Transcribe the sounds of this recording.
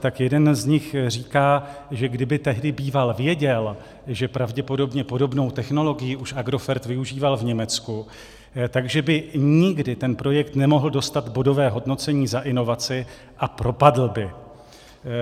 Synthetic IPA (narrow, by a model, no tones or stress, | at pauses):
t̪akjɛdɛnzɲɪxr̝iːkaːʒɛɡdɪbɪt̪ɛɦdɪbiːvalvjɛɟɛl | ʒɛpɾavɟɛpo̞do̞bɲɛpodo̞bno̞wt̪ɛxno̞lo̞ɡɪjɪʔuʃʔaɡɾo̞fɛɾt̪vɪuʒiːvalvɲɛmɛt͡sku | t̪aɡʒɛbɪɲɪɡdɪt̪ɛnpɾo̞jɛkt̪nɛmo̞ɦl̩do̞st̪at̪bo̞do̞vɛːɦo̞dno̞t͡sɛɲiːzaʔɪno̞vat͡sɪ | ʔapɾo̞padl̩bɪ